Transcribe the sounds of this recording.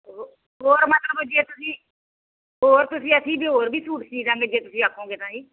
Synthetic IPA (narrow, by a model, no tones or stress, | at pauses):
ɦo | ɦoːɾmət̪ləbəd͡ʒieːt̪ʊsĩː | ɦoːɾt̪ʊsĩːəsĩːbiɦoːɾbʱiːsuːʈt͡ʃiːzãːɡeːd͡ʒeːt̪ʊsĩːakʰːõːɡeːt̪ãːd͡ʒiː